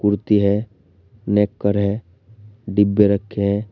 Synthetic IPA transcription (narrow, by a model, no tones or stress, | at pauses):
kʊɾt̪iɦɛ | neːkːəɾɦɛ | ɖɪbjeɾəkʰːeɦɛ̃